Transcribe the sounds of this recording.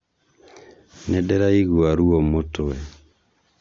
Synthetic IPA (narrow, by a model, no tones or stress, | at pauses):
nedɛɾaiɣuaɾuɔmotoɛ